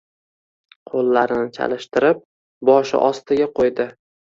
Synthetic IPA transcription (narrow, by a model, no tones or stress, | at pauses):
qʰolˠːaɾɪnɪt͡ʃʰa̰lɪʃt̪ɪɾɪp̚ | bɒʃɪ̰ʔɒst̪ɪɡʲaqʰojd̪ɪ